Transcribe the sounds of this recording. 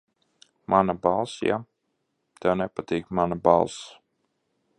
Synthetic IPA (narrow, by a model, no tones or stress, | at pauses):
manabalˠsja̰ | t̪ɛwnɛpat̪iːkmanaba̰lˠs